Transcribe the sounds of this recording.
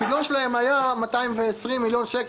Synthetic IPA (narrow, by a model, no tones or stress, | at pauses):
idlonʃelahe̞majamataimveːsʁimːiljo̞nʃek